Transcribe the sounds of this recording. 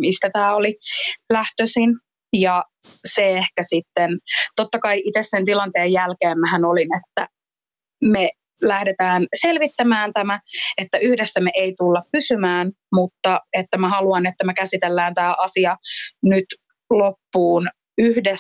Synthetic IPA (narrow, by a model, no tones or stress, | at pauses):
mist̪æt̪æːolilæht̪øsin | jɑ | seehkæsit̪ːent̪ot̪ːɑkɑiʔit̪esːent̪ilɑnt̪eːjjælkeːmmæhænolinet̪ːæ̰ | me | læhdet̪æːnselʋit̪ːæmæːnt̪æmæet̪ːæyhdesːæmeʔeit̪ulːɑppysymæːn | mut̪ːɑet̪ːæmæhɑluɑnet̪ːæmækæsit̪elːæːnt̪æːʔɑsiɑnyt̪ | lopːuːn | yhde